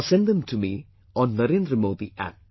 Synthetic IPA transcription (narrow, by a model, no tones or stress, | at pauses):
sɛ̃nd̪ə̃mtʰumi | ɔ̃nːəɾẽnd̪ɾəmoːd̪iʔæ̰p̚